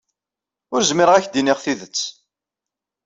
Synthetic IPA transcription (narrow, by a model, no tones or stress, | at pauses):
ʊɾzmɪɾəʁæçd̪inɪʁθiðət͡sː